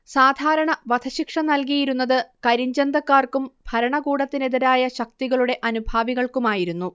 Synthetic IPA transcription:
saːd̪ʱaːɾɐɳɐʋɐd̪ʱʰɐɕikʂɐnɐlkijiɾunːɐðɨkɐɾiɲd͡ʑɐnd̪ɐkːaːrkumb̥ʱɐɾɐɳɐɡuːɽɐt̪ːine̞ðiɾaːjɐɕɐk̚t̪iɣɐɭuɽe̞ʔɐnubʱaːʋiɣɐɭkumaːjiɾunːu

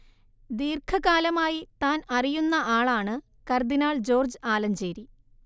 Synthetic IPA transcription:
d̪iːrkʰɐɣaːlɐmaːjit̪aːnɐrijunːɐʔaːɭaːɳɨ | kɐrd̪inaːɭd͡ʑo̞ːrd͡ʑɨaːlɐmd͡ʑeːɾi

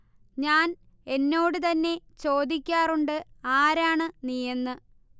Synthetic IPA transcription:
ɲaːn | e̞nːo̞ːɽɨt̪ɐnːe̞t͡ɕo̞ːd̪ikʲːaːruɳɖɨaːɾaːɳɨnijɐnːɨ

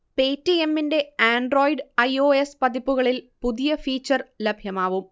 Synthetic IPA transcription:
pe̞ːtːie̞mːinde̞aːɳɖro̞ːjɖɐjoːespɐðipːuɣɐɭilpuðijɐfiːt͡ɕːɐrlɐbʱjɐmaːʋum

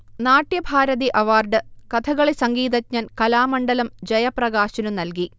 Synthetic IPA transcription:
naːʈjɐbʱaːɾɐðiʔɐʋaːrɖɨkɐt̪ʰɐɣɐɭesɐŋɡiːd̪ɐtɲɐnkɐlaːmɐɳɖɐlɐmd͡ʑɐjɐprɐɣaːɕɐnumnɐlki

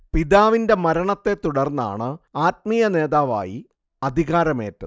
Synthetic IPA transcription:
piðaːʋinde̞mɐɾɐɳɐt̪ːe̞t̪uɽɐrnːa̰ːɳɨaːt̚mijɐne̞ːðaːʋa̰ːji | ɐd̪ʱiɣaːɾɐme̞̰ːtːɐ

